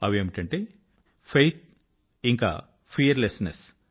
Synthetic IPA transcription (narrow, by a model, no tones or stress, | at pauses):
ɐʋieːmiʈɐɳʈeː | pʰejt̪̚ʰ | iŋka̰ː | pʰiɐɾlesnes